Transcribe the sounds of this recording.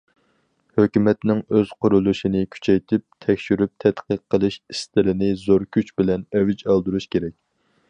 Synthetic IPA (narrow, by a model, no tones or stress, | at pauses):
høkʲymɛt̪nɪŋøz̥qʰʊɾulˠuʃinɪkʲʰy̥t͡ʃʰɛjt̪ʰɪp̚t̪ʰɛkʲʃyɾyp̚t̪ʰɛt̪qəqːəlˠɨʃist̪ɪɾɪnɪzoɾkʲʰyt͡ʃbɪlɛnɛvɪt͡ʃɑlˠd̪uɾuʃkʲeɾɛk̚ʲ